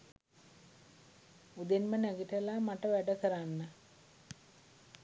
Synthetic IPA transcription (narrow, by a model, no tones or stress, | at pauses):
ud̪enmənæɡiʈəlamaʈəʋæɖəkəɾanːə